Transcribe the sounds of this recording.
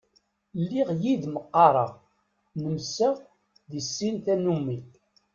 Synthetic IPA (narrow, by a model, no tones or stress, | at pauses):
lːiʁjid̪məqːɑɾˤə̰ʁ | nəmsəʁ | ðisːint̪ænumi